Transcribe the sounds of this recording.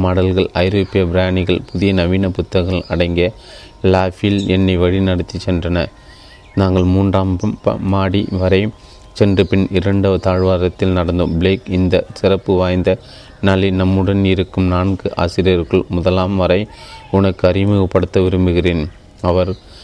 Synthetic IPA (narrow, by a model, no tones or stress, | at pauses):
maːɽɐlɣɐɭɐɪɾoːpːɪjɐbɪɾjaːnɪɣɐɭpʊðɪjɐnɐʋiːnɐpʊt̪ːɐɣɣɐɭɐɽɐɪŋɡɐ | laːfilɛnːɐɪʋɐɻinɐɽɐt̪ːit͡ʃːɛndrɐnɐ̰ | naːŋɡɐɭmuːndraːmbɐmpɐ̰maːɽiʋɐɾɐɪ | t͡ʃɛndrɯpɪnɪɾɐɳɖɐt̪aːɻʋaːɾɐt̪ːɪlnɐɽɐnd̪oːmbɭeːkɪnd̪ɐsɪɾɐpːɯʋaːjnd̪ɐ | nɐlɐɪnɐmːɯɽɐnɪɾɯkːɯmnaːnɡɯʔa̰ːsɪɾɪjɐɾkɐɭmʊðɐlaːmʋɐɾɐɪʊnɐkːɯɐɾɪmɯɣɐpːɐɽɯt̪ːɐʋɪɾɯmbɯɣɪreːn | ɐʋɐɾ